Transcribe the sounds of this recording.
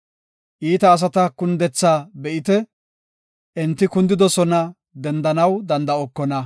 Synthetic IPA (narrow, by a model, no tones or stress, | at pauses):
ʔiːt̪ɐːs̬ɐt̪ɐkʊnd̪ɛt͡sːaːbɛʔɪt̪ɛ | ʔɛnt̪ːɪkʊnd̪ɪd̪ɔsɔnɐ | d̪ɛnd̪ɐnɐwd̪ɐnd̪ɐɔkːɔnɐ